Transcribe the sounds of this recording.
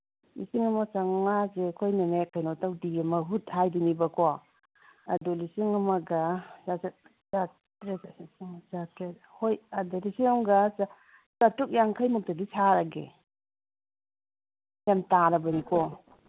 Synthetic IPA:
lḭsiŋamasaŋŋazekʰɔjnamekʰajnɔtawdiamaɦuthajdinibakɔ | a̰dɔlisiŋamaɡazas | za | tɾesiŋt͡ʃatɾet̚ | hojadaɾisiaŋɡasa | t͡ʃatuk̚jaŋkʰajmɔk̚tadisʰaɾaɡḛ | jamtaɾabanikʰɔ

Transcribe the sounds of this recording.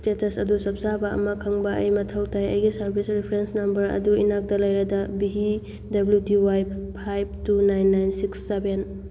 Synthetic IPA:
stetɐsɐdusɐp̚zabɐɐ̰mɐkʰɐŋbɐɐ̰jmɐtʰɐwtʰajɐ̰jɡisɐɾbʱisɾipʰɾensnɐmbɐɾɐ̰duinak̚dɐlɐjɾɐdɐbiɦi | dɐblutiwajp̚ʰːajb̚tunajnːajnsiksːeben

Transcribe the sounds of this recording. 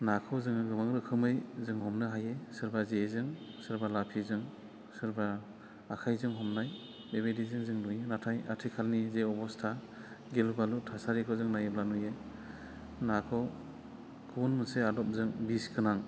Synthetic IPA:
nakʰɔwzɯŋɯɡɯmaŋɾɯkʰɯmɯjzɯŋhɔmnɯɦajesɯɾbazezɯŋsɯɾbalapʰizɯŋ | sɯɾbaː | kʰajzɯŋɦɔmnaj | bebejdizɯŋzɯŋnujenatʰajatʰikʰalnizeɔbɔstʰa | ɡelubalutʰasaɾikʰɔzɯŋnajeblanuje | nakʰɔ | kʰɯbunmɯseadɔp̚zɯŋbiskʰɯnaŋ

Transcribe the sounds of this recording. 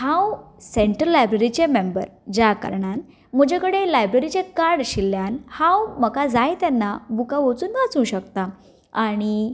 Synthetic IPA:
hãw | seɳʈɾəlːajbɾeɾit͡ɕemembə̰ɾd͡ʑakə̰ɾɳan | m̤əd͡ʑʱekəɽelajbɾeɾit͡ɕekaɽɕilːjanhãwməkad͡zajt̪anːabukaʋot͡suːnːat͡sũːɕəkt̪a | aɽ̃i

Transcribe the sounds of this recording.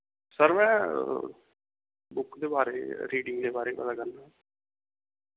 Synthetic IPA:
səɾmɛ̃ː | bʊkd̪eːbaːɾeːɾiːɖɪ̃ŋɡd̪eːbaːɾeːpə̰d̪aːkəɾnãː

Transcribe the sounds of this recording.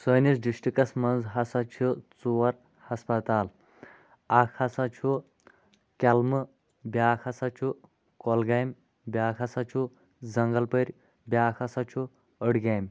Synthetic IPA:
səːnisɖiʂʈikɐsmɐnzɦɐsat͡ʃʰut͡suʋɐɾ | hɐspɐt̪aːl | akʰhɐsat͡ʃʰu | kʲɐlmɨ | bʲjaːkʰɐsat͡ʃʰu | kɔlɡajmʲ | bʲjaːkʰɐsat͡ʃʰu | d͡zɐŋɡɐlpəɾʲ | bʲjaːkʰɐsat͡ʃʰu | əɽɡaːjmʲ

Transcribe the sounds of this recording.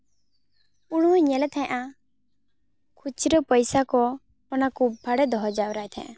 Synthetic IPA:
uɽ̃uɲɛlɛt̪ʰɛ̃ʔã | kʰut͡ʃʰiɾɔpɔjsakɔ | ɔnakubʱaɽɛd̪ɔɦɔd͡ʒawɾajt̪ʰɛ̰̃ʔã

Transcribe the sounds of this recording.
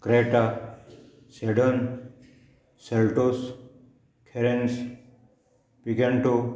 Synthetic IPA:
kɾeʈa | seɖən | selʈos | kʰeɾens | piɡenʈo

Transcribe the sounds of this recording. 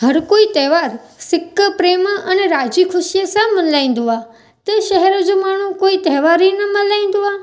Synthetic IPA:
ɦəɾkoit̪ɛːʋaɾsɪkːəpɾeməneɾad͡ʒikʰʊʃijəsãmːənlaĩnd̪ʱuʋa | t̪əʃəɦɛɾod͡ʒomaɳ̤̃ũkoit̪ɛːʋaɾinəmənlaĩnd̪uʋa

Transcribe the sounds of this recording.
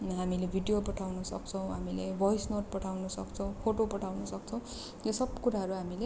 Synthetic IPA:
ɦamilebʱiɖijopʌʈʰawnʌsʌ̰k̚t͡sʰʌ̃w̃ɦamilebʱʌjsnoʈ̚pʌʈʰawnʌsʌ̰kt͡sʰʌw̃pʰoʈopʌʈʰawnʌsʌk̚t͡sʰʌw̃ | josʌb̚kuɾaɦʌɾuɦamile

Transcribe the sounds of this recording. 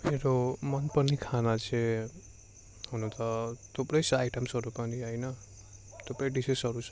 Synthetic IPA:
meɾomʌnpʌnikʰanat͡sʰẽ | hunũt̪ʌt̪ʰupɾʌjsʌajʈʌmsʌɾukʌniʌjnʌ | t̪ʰopɾʌɖisesʌɾusʰ

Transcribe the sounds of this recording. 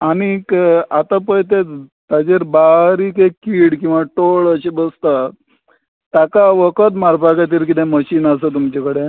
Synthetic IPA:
aɽ̃ikat̪apəjt̪̬et̪ad͡ʑeɾbaɾikekiːɽkĩw̃ʋaʈoɭəɕebəst̪a | t̪akaʋəkət̪maɾpakat̪̬iːɾkit̪ẽməɕiːnas̬ət̪umt͡ɕekəɽe

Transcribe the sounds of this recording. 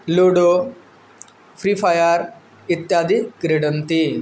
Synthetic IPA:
loːɖo | fʰɾiːfʰajaɾ | it̪jaːd̪ikɾeɖɐnt̪i

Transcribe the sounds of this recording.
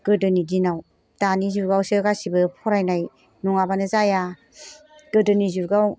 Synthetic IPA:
ɡɯdɯnidinaw | tanizuɡawsɯɡasibɯpʰɔɾajnaj | nuŋabanɯzaja | ɡ̥ɯdɯnizuɡaw

